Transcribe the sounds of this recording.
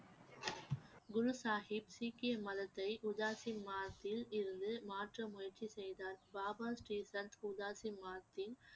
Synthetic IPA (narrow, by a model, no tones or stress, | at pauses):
ɡʊɻʊsaːhɪb̚siːkːɪjɐmɐðɐt̪ːɐɪʔʊðaːsɪmːaːt̪ːɪlɪɾɯnd̪ɯmaːʈrɐmʊjɐɾt͡ʃisɛjðaːlbaːbaːsʈiːsɐnt̪ʊðaːsɪmaːt̪ːɪl